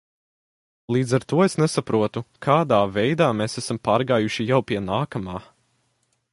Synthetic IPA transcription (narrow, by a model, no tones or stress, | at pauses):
lˠiːd̪zaɾt̪uɔesnesapɾuɔt̪ukʰaːd̪aːvɛjd̪aːmeːsæsampaːɾɡaːjuʃijawpiɛnaːkamaː